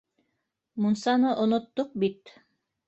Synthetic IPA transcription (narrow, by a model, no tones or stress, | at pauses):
munsɑnɤʔŏnŏt̪ːoq̚bit̪